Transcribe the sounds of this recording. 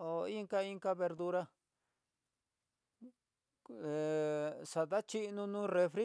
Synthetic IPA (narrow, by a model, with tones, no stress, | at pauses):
o˨i˦ŋka˦˧i˦˧ŋka˧βe˧ɾd̪u˧ɾa˧ | e˨ʂa˨ða˦t͡ʃi˦nũ˧nũː˦re˧fɾi˦